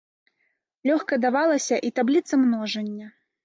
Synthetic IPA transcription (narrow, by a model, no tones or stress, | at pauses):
lʲɔxkɐd̪avalˠɐsʲɐʔit̪ablʲit̪sɐmnɔʐɐnʲːɐ